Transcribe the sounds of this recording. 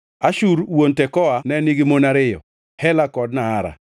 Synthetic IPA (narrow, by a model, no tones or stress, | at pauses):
aʃuɾwontɛkɔanɛniɡimonaɾɪjɔ̰ | hɛlakɔdnaːɾa̰